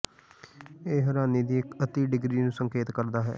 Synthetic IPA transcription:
eːɦəɾaːniːd̪iːɪkət̪iːɖɪɡɾiːnũːsəŋkeːt̪kəɾd̪aːɦɛ̰ː

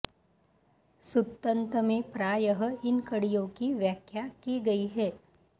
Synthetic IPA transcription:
sʊt̪ːə̃nt̪əmẽpɾaːjəɦəɪnkɐɽijõkiʋjaːkʰjakiɡɐiɦɛː

